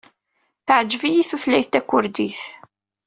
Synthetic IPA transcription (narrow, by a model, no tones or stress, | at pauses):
θəʕd͡ʒːvijiθuθlæjθt̪ækʷːʊɾd̪iθ